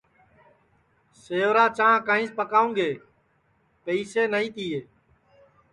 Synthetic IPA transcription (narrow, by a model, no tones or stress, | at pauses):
seːoːɾaːt͡ʃãːkãːĩːspəkaːũːɡeː | pəiːseːnəiːt̪iːeː